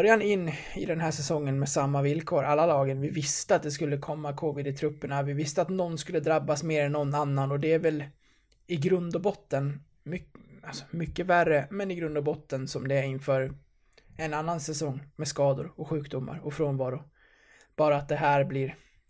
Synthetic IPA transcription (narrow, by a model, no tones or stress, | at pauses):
bœɾjanɪnː | ɪd̪ɛnɦæːʂɛsɔŋːənmɛsamːavɪlkʰoːɾʔalːalɑːɡənvɪvɪst̪əat̪̚d̪ɛskɵlːəkʰɔmːakʰoːvɪd̪ɪt̪ʰɾɵpːəɳavɪvɪst̪əat̪nɔnːskɵlːəd̪ɾabːasmeːɾɛnːɔnːanːanɔd̪ɛæɾvɛl | ɪɡɾɵnd̪ɔbɔt̪ːən | mʏalsɔ̥mʏkːəværːəmɛnɪɡɾɵnd̪ɔbɔt̪ːənsɔmd̪ɛɾɪnːfœːɾ | ɛnanːansɛsɔŋːmɛskɑːd̪ʊ̰ɾɔkɧʉ̟ːkd̪ʊmːa̰ɾɔfɾɔnvɑːɾʊ | b̥ɑːɾaːt̪̚d̪ɛɦæːɾblɪɾ